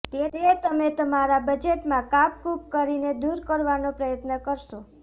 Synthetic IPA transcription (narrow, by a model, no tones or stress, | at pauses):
t̪aɾet̪əmet̪əmaɾabəd͡ʒeʈmãkapkupkəɾined̪uɾkəɾʋanopɾəjət̪nəkəɾʃo